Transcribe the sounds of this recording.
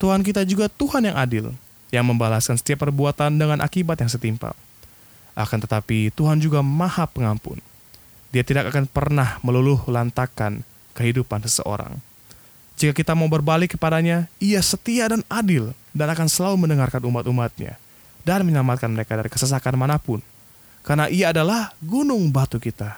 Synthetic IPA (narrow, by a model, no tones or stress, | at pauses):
t̪uhank̬it̪ad͡ʒuɡat̪uhanjaŋʔadɪl | jaŋməmbalaskansə̥t̪iapərbuat̪andəŋanʔa̰kibat̪jaŋs̬ət̪impa̰ | ʔa̰kant̪ət̪apit̪uɦand͡ʒuɡamahapːəŋampʊ̰n | diat̪idakakanpərnahməluluhlant̪akan | kəɦidupansəsə̰ʔo̰ɾa̰ŋ | d͡ʒikakit̪amaubərbalɪkːəpadaɲaiasət̪iadanadɪl | danakansəlaluməndəŋarkanumat̪umat̪̚ɲa̰ | danməɲəlamat̪̚kanməɾekadaɾikə̥səs̬akanmanapʊn | karnaʔiaːdalahɡunʊŋbat̪ukit̪a